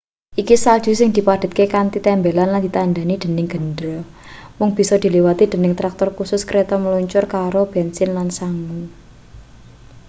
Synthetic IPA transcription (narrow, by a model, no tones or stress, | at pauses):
ʔikisal̥ʒ̥ṳsɪŋd̪̥i̤pad̪̥ə̤t̪̚kekant̪it̪ɛmbelanland̪it̪and̪anid̪̥ə̤nɪŋɡ̥ə̤ndɾɔ | mʊŋb̥i̤sɔd̪̥i̤liwat̪id̪̥ə̤nɪŋt̪ɾak̚t̪ɔrkusʊskɾet̪ɔməluɲt͡ʃʊrkaɾob̥ɛnsɪnlansaŋu